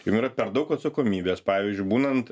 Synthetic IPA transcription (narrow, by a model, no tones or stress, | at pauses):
jʊmiːɾɐpʲɛɾd̪ɐʊkɐt̪sɐkoːmʲiːbʲeːspɑːʋʲiːzʲd͡ʒʲʊɪbuːnɐnt̪